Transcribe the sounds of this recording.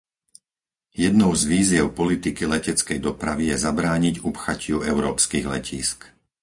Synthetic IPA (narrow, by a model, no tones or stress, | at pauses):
jɛd̪nɔʊzʋiːzɪɛʊpɔlit̪ikilɛcɛt͡skɛjd̪ɔpɾaʋijɛzabɾaːɲiɟupxacʰɪuɛʊɾɔːpskiːɣlɛ̰cʰiːsk